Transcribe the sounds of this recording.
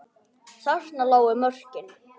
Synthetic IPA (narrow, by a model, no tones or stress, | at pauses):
sasnalaːwɪmœr̥cɪn